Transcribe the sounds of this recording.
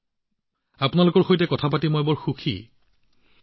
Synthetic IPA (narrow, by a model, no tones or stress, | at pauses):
apʊnalokɔɹxojtɛkɔtʰapatimɔjbɔɹxukʰḭ